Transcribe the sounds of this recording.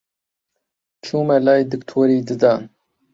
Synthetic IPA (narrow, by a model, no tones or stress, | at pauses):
t͡ʃʰuːmɛlaːjd̪ɨkt̪ʰoɾiːd̪ɨd̪ɑːn